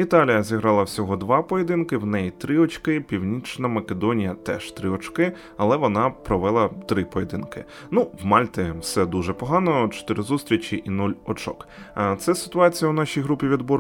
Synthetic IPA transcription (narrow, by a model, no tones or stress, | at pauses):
it̪ɑlʲijɐzʲiɦɾɑlˠɐwsʲɔɦɔd̪ʋɑpɔjed̪ɪnkɪwnɛjt̪ɾɪɔt͡ʃkɪpʲiwnʲit͡ʃnɐmɐked̪ɔnʲijɐt̪ɛ̰ʃt̪ɾɪɔt͡ʃkɪ | ɐlˠɛʋɔnɑpɾɔʋɛlˠɐt̪ɾɪpɔjed̪ɪnkɪ̰ | nuwmɑlʲt̪ɪwsɛd̪uʒɛpɔɦɑnɔt͡ʃɔ̥t̪ɪɾɪzust̪ɾʲit͡ʃʲiʔinulʲɔt͡ʃɔ̰k | t̪sɛsɪ̥t̪ʊɑt͡sʲijɐwnɑʃʲijɦɾupʲiʋʲid̪bɔɾ